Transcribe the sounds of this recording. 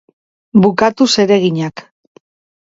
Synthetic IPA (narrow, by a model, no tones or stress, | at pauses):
bukat̪use̞ɾe̞ɣiɲak